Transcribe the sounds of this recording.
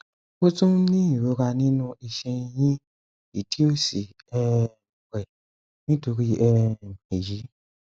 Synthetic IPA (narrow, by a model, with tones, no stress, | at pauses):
o˦tũ˦nĩ˦i˦˨ɾo˨˦ɾa˧nĩ˦nũ˦i˧ʃɛ˧jĩ˦ | i˨ti˦o˦˨si˨ | ɛ˧˨ | ɾɛ˨ | nĩ˦to˧ɾi˦ɛ˧˨e˨ji˨˦